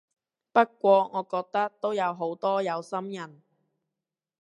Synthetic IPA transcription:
pɐ˥t̚kʷɔː˧ŋɔː˨˧kɔː˧k̚t̪ɐ˥k̚t̪o˥wjɐ˨˧wɦo˨˥wt̪ɔː˥jɐ˨˧wsɐ˥mjɐ˨˩n

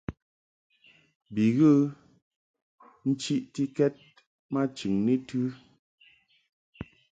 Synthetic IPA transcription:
bi˨ɣə˦ | n̩˦t͡ʃi˦ʔti˦kɛ˦t̚ | ma˦t͡ʃʉ˨ŋne˦tʉ˦

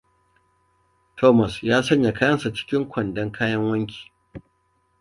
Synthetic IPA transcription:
tʰoː˦mɐ˨sjaː˦sɐ˦ɲja˨kaː˦jɐ˦nsa˨t͡ʃɪ̥˦kʲɪ˦ŋkʷɐ˨ndɐ˦ŋkʰaː˦jɐ˦ŋwɐ˦ŋkʲi̥ː˨

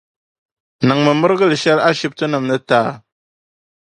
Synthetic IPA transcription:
nɨ˨ŋmɨ˨mɨ˦ɾɡɨ˦lʃɛ˦la˦ʃi˦p̚tɨ˦nɨ˨mnɨ˦taː˦˨

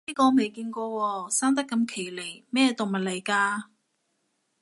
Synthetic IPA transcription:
liː˥kɔː˧me˨jkiː˧nkɔː˧wɔː˧saː˥ŋt̪̬ɐ˥kːɐ˧mkʰe˨˩jle˨˩jmɛː˥˧t̪o˨wmɐ˨t̚le˨˩jkaː˧

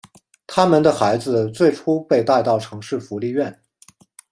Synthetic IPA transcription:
t̪ʰa˥mə˨nd̪ə˨xa˧˥ɪd͡zɹ̩˧t͡swe˥˩ɪʈ͡ʂʰu˥pe˥˧ɪt̪a˥˧ɪt̪ɑ˥˩ʊʈ͡ʂʰɤ˧˥ŋʂɻ̩˥˩fu˧˥li˥˧ɥɛ˥˩n

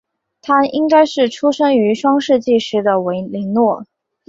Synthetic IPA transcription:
t̪ʰa˥i˥ŋka˥ɪʂɻ̩˥˩ʈ͡ʂʰu˥ʂɤ˥ŋy˧˥ʂwɑ˥ŋʂɻ̩˥˧t͡ɕi˥˩ʂɻ̩˧˥d̪ə˨we˧˥ɪli˧˥ŋnwɔ˥˩

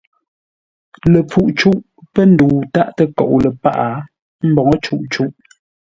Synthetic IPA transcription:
lə˨p͡fu˦ʔt͡ʃu˦ʔ | pə˦n̩˦duː˨ta˦˨ʔtə˦kɔ̰˨ʔu˨lə˨pa˦ʔa˨ | m̩˦bɔ˨ŋɔ˦t͡ʃu˦ʔt͡ʃu˦ʔ

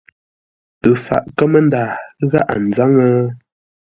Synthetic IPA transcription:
ɨ˨fa̰˨ʔkə˦mə˦n˦daː˨˦ɣa˦ʔa̰˨n̩˨za˦ŋə˦

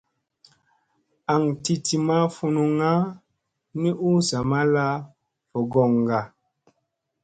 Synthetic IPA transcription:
a˨ŋti˦ti˨ma˦fu˧nu˧ŋa˦ | ni˦ʔu˦sa˨ma˦la˦ | fɔ˨ɡɔ˨ŋ˨ɡa˨

